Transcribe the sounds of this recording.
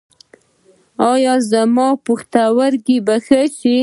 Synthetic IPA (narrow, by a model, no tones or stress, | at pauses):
ɑjɑzamɑpuxt̪awaɾɡibaxət͡ʃi